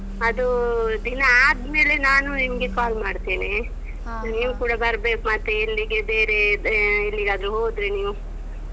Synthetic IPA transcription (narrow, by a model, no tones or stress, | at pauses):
ɐd̪ud̪inɐaːd̪me̞ːle̞naːnuimɐɡe̞kaːlmaːɽt̪iːni | niːʋukuːɽabɐɾbe̞ːkumɐt̪ːeilːiɡebeːɾeilːiɡaːd̪ɾuɦoːd̪ɾiniːʋu